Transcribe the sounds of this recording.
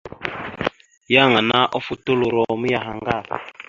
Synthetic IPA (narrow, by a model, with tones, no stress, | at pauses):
ja˦˨ŋa˨na˦ʔɔ˦fu˦to˦lo˨ɾɔ˨mi˦ja˨ɦa˨ŋɡa˦˨